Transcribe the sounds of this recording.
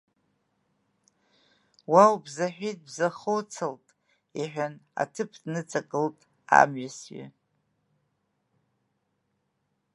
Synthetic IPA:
wawbzaħʷᶣit̚bzaχowt͡sʰaltʼ | iħʷᶣana̰tʰɨpʰdnɨt͡sʼakʼɨltʼ | a̰mɥasɥɪ̰

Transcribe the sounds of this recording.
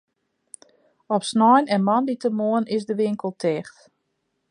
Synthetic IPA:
ɔpsnɔjnɛnmɔnditəmoənɪsdəʋɪŋkəlˠtʰɛxt

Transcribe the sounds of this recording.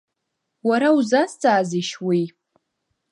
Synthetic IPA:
waɾauzast͡sʼaːziʃwi

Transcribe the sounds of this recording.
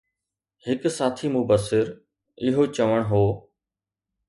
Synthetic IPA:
hɪksaːt̪ʰimʊbəsɪɾ | ɪɦot͡ʃəʋəɽ̃ɦoː

